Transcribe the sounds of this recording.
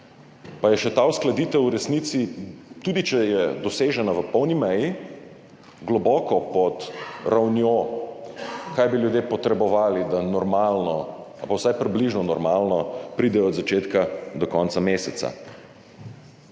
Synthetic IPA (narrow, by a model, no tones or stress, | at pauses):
pajɛʃɛt̪aːusklad̪iːt̪ɛwuɾɛsniːt̪sit̪uːd̪it͡ʃɛjɛd̪ɔseːʒɛnaʋəpɔwnimɛji | ɡlɔbɔːkɔpɔt̪ɾawnjo | kaːjbiljud̪jepɔt̪ɾɛbɔʋaːlid̪anɔɾmaːlnɔ | apawsajpɾibliʒnɔnɔɾmaːlnɔpɾiːd̪ɛjɔd̪zat͡ʃeːt̪kad̪ɔkɔnt̪sameːsɛt̪sa̰